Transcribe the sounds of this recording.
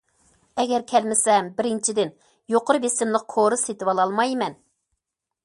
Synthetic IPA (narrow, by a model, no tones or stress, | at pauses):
ɛɡʲɛɾkʲʰɛlmɪsɛmbɪɾɪnt͡ʃʰid̪ɪn | joqʊɾɨbesɪmlˠɨq̚qʰoɾɨset̪ɪwɑlˠɑlˠmɑjmɛn